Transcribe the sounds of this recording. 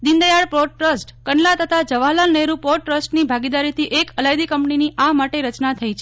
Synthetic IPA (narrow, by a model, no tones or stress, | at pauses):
d̪ɪnd̪əjaɽpɾoʈɾəsʈkəɳlat̪ət̪ʰad͡ʒəʋalalneɾupoʈɾəsʈnibʱaɡid̪aɾit̪ʰiʔekəlajd̪ikəmpniniʔamaʈeɾət͡ʃnat̪ʰəit͡ʃʰe